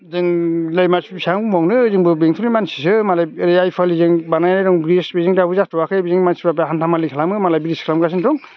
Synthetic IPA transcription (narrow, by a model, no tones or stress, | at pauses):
zɯŋlajmasbsaŋmɔŋnɯzɯŋbɯbeŋtʰɯnijmansisɯmalajɾejajpʰalizɯŋbanajɾɾɔŋbɾisbizɯŋdabɯzatɔwakʰɯjbiziŋmansipap̬ɦantʰamalikʰalamɯmalajbiɾiskʰlamkas̬intɔŋ